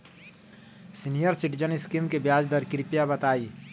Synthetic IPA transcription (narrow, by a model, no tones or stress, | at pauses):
sinijəɾsɪʈid͡ʒənɪskimkebjaːd͡ʒd̪əɾkɾɪpijabɐt̪aːi